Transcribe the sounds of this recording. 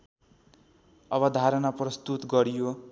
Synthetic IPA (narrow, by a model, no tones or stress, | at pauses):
ʌbʌd̪ʱaɾʌnaprʌst̪ut̪ɡʌɾijo